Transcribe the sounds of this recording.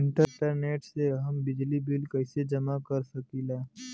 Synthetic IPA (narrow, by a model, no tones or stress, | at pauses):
ɪɳʈəʈəɾneːʈseɦəmbɪd͡ʒlibɪlkəɪsed͡ʒəmakəɾsəkiːlɛː